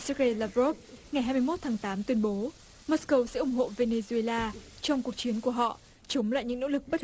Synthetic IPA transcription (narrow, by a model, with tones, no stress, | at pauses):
sa˦˥ke˧laː˧vo˦˥p̚ŋa˨˩jɦaː˧jmɨ˧jmo˦˥t̚t̪ʰaː˨˦ŋt̪aː˨˦mt̪wi˧ənɓo˨˦ | mo˦˥skə˧wsɛ̰˧˥ʔʊ˨˩ŋ͡mɦo̰˧˨ve˧ne˧zu˧e˧laː˧t͡ɕɔ˧wŋ͡mku˨˩ək̚t͡ɕi˨˦ənku˧˩əɦɔ̰˧˨ | t͡ɕə˨˦wŋ͡mla̰ː˧˨jɲɨ̰˧˥ŋno̰˧˥lɨ˨˩k̚ɓə˦˥